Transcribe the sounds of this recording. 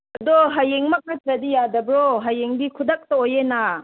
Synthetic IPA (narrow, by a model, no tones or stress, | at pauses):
ɐdɔɦɐjeŋmɐk̚nat̪ɾɐdijadɐbɾɔɦɐjeŋdikʰud̪ɐk̚tɐojena